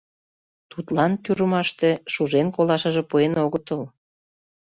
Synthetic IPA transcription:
t̪ut̪lɑnt̪yɾəmɑʃt̪eʃuʒenkolɑʃə̆ʒĕpuenoɣət̪əl

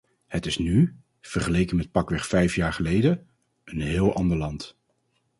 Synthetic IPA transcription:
hətɪsny | v̥əɹχəlejkənmɛt̚pɑkʋɛχfɛjfjaːɹχəlejdə | ənɦɪːlˠʔɑndəɹlɑnt

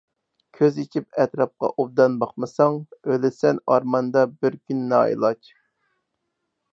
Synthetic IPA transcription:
kʲʰøzit͡ʃʰipɛt̪ɾɑp̚qɑ̰ʔob̚d̪ɑnbɑχmɨsɑŋølɪsɛnɑɾmɑnd̪ɑbɪɾkʲʰynːɑ̰ḭlˠɑt͡ʃ

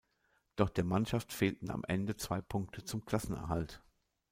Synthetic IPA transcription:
d̥ɔχd̥eːɐmanʃaftfeːltn̩a̰mʔɛ̰ndət͡sv̥aɪpʰʊŋk̚tʰət͡sʊmkl̥asn̩ɛ̰ɐɦalt

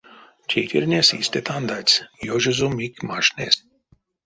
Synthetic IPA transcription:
t͡ʃʰejt̪ḭrʲnʲesḭsʲt̪ʲet̪ʰand̪at͡sʲjoʒəzumikʲmaʃnʲḛs

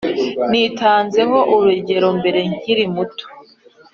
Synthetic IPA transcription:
nitaːnze̞ŋɡo̞ʔuɾeɟe̞ɾo̞mbe̞ɾe̞ŋ̥iɾimuto̥

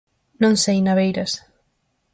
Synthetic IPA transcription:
nõŋsejnaβejɾɐs

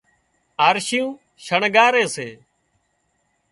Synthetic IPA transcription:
aːɾʃijũː | ʃəɳɡaːɾeːseː

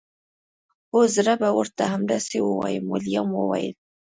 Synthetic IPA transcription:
hozɾabawəɾt̪ahamd̪asewəwa̰jemʊljamwəwa̰jḛl

